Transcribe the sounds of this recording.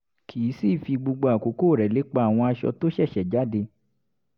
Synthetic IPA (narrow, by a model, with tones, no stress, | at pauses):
kʰi˨˦si˦˨fi˧ɡ͡bo˧ɡ͡bo˧a˨ko˨˦koː˦˨ɾɛ˨le˨˦k͡pa˧˦a˨w̃ɔ̃˧a˧ʃɔ̰˧to˦ʃɛ˦˨ʃɛ˨d͡ʒa˨˦de˧